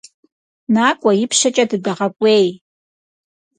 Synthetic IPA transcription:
naːkʷʼɐjɪpʰʃɐt͡ʃʼɐdɨdaʁɐkʷʼeːj

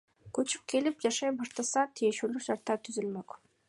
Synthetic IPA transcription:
kɵt͡ʃy̥p̚ke̞lip̚d͡ʒɑʃɑjbɑʃt̪ɑsɑt̪ʰije̞ʃulyʃɑɾt̪ɑt̪ʰyzylmøk

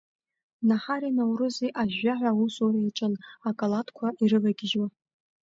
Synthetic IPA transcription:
naħaɾinawrɨzeʔaʒaħʷawusoreiʈ͡ʂʼɨnakʼalatkʷʰaʔirɨvaɡʲɪʒa

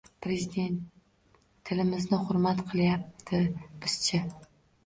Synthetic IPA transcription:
pɾezid̪e̞nt̪ʰː | ɪlɪmɪznɪhʊɾmat̪qʰɨlˠjap̚t̪ʰɪb̥ɪz̥t͡ʃʰɪ

